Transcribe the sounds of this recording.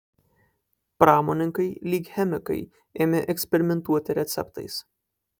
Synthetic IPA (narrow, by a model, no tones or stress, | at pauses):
pɾɑːmoːnʲɪŋkɐɪlʲiːkʲhʲɛmʲɪkɐɪ | eːmʲɛʔɛksʲpʲɛɾʲɪmʲɛnt̪uɔt̪ʲɪɾʲɛt̪sʲɛ̰pt̪ɐ̰ɪs